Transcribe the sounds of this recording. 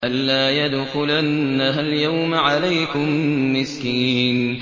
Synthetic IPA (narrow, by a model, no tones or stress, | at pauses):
ʔalːaːjad̪xʊlanːaɦaljawmʕalajkʊmːɪskiːn